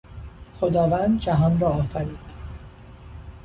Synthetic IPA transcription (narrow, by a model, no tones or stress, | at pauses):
xod̪ɒːvænd̪d͡ʒæɦɒnrɒːfæɾiːd̪̥